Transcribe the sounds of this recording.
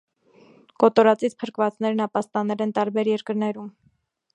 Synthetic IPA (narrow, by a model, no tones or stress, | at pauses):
kɔt̪ɔɾɑt͡sit͡sʰpʰəɾkvɑt͡snɛɾnɑpɑst̪ɑnɛlɛnt̪ɑɾbɛɾjɛɾkəɾnɛɾum